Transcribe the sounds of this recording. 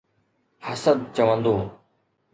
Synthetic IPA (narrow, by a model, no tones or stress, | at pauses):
həsəd̪̚t͡ɕəʋə̃nd̪oː